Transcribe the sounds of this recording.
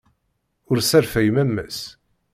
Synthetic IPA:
ʊɾsæɾfæjmæmːæ̰s

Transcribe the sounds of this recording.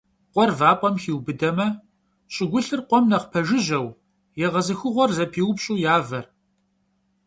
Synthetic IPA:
qʷɔrvaːpʼɐmxiːwbɨdɐmɐ | ɕʼɪɡʷʊɬɨrqʷɔmnɐqpʰɐʒɨʑɐw | jɛʁɐzɨxɨʁʷɔrzɐpʰiːwʊpɕʼuːjaːvɐr

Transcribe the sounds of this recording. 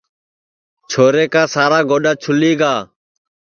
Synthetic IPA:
t͡ʃʰoːɾeːkaːsaːɾaːɡoːɗaːt͡ʃʰʊliːɡaː

